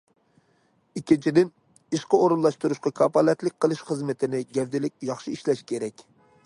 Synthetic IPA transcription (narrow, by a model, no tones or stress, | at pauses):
ikʲint͡ʃʰid̪ɪn | iʃqəoɾunlˠɑʃt̪uɾuʃqɑkʰɑpɑlɛt̪lɪk̚ʲqʰəlˠɨʃχəzmɪt̪ʰɪnɪɡʲɛvd̪ɪlɪkʲjɑχʃiiʃlɛʃkʲʰeɾɛkʲ